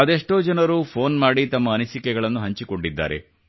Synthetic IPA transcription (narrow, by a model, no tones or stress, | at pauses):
ɐd̪eʂʈoːd͡ʒɐnɐɾupʰoːnmaːɽit̪ɐmːɐːnisikɛɡɐɭɐnːuɦɐɲt͡ʃiko̞ɳɖid̪ːa̰ːɾḛ